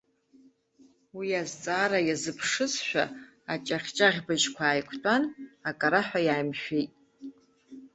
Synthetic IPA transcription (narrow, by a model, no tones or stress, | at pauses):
wiazt͡sʼaːɾajazɨpʰʂɨsʃʷᶣa̰ | at͡ʃʼaχʲt͡ʃʼaʁʲbaʒkʷʰaːjkʷʰtʼanakʼaɾaħʷᶣajaːjmʃᶣejtʼ